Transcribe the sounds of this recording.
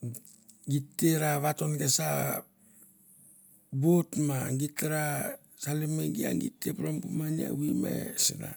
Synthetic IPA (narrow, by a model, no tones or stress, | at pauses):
ɡitːeɾaβatonɡesa | botmaŋɡiteɾa | salimeɡia̰ŋɡitːepɾombumania̰wimḛsina̰